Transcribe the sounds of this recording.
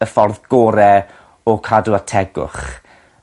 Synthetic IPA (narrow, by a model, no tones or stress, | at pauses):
əfɔrðɡ̥ɔɾɛ | ɔkʰaduatʰɛɡʊ̰χ